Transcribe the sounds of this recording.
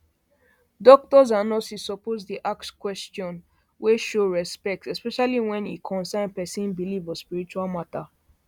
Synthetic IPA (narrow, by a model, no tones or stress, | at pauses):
dɔk̚tɔzanɔsisɔpozdiʔakskwɛstɔ̃n | weʃoɹɛspɛk̚tsɛspɛʃaliwɛ̃nḭkʰɔ̃nsɛ̃npɛsĩnbilivɔ̃spiɹit͡ʃualmata